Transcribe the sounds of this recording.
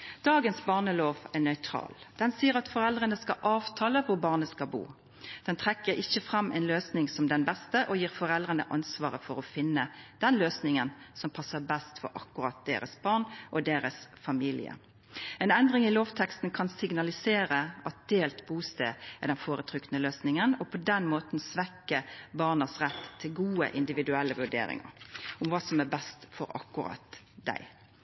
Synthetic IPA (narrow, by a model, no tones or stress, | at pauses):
d̪̥ɑːɡənsbɑːʁnəloːʋɛʁnœʏt̪ʰɾɑ̰ːld̪̥ɛnsiːəɾɑt̪fɔʁɛld̪ʁənəskɑʔɑːʋt̪ʰɑːləʋʊʁbɑːʁnəskɑbṵː | d̪̥ɛnt̪ʰʁɛkːəɾɪçːəfʁɑmːʔɛɪnløːsnɪŋsɔmd̪ɛnbɛst̪əʔɔjiːʁfɔʁɛld̪ʁənə̰ʔɑnsʋɑːʁəfɔɾɔfɪnːəd̪̥ɛnløːsnɪŋənsɔmpʰɑsːəʁbɛst̪fɔ̰ɾɑ̰kːʉʁɑt̪̚d̪̥ḛːɾə̰sb̥ɑːʁɳʔɔd̪eːɾəsfɑmiːlɪ̰ə̰ | ɛnɛnd̪ʁɪŋɪloːʋt̪ʰɛkst̪n̩kʰɑnsɪɡnɑlɪseːɾəɑt̪̚d̪̥eːlt̪buːst̪ḛːɛd̪ɛnfoːɾət̪ʰɾʏk̪nəløːsnɪŋənɔpʰɔd̪ɛnmoːt̪n̩sʋɛkəbɑʁnəsʁɛt̪ʰːɪlɡuːə̰ʔɪnd̪ɪʋɪd̪ʉɛlːəʋʉɖ̪ḛːɾɪ̰ŋə̰ɾʊmʋɑːsɔmæbɛst̪fɔɾɑ̰kːʉɾɑ̰t̪ | d̪æ̰ɪ